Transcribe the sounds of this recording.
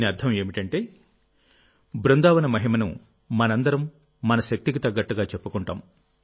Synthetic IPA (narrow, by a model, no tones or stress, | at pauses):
niɐd̪ʰʱɐme̞ːmiʈɐɳʈe̞ː | bɾund̪aːʋɐnɐmɐɦimɐnṵ | mɐnɐnd̪ɐɾɐmː | ɐnɐʃɐk̚t̪ikit̪ɐɡɐʈːɐɡaːt͡ʃepːukuɳʈa̰ːm